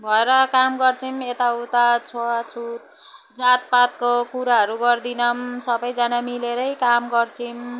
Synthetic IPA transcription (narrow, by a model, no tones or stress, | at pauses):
bʱʌeɾʌkamɡʌrt͡sʰimet̪aut̪at͡sʰoat͡sʰut̪̚ | d͡zat̪̚pat̪̚kokuɾaɦʌɾuɡʌrd̪inʌmsʌbʌjd͡zanamileɾʌjkamɡʌrt͡sʰim